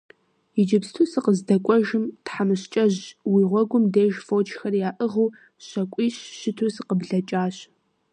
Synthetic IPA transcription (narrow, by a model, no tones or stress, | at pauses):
ɪd͡ʒɪpstʰusɨqəzdɐkʷʼɔʒɪmtħamɨɕt͡ʃʼɐʑwiːʁʷɔɡʷʊmdeːʒfoːt͡ʃʰʼxɐrjaːʔəʁuː | ɕɐkʷʼiːɕɕɪtʰusɨqəbɮɐt͡ʃʼaːɕ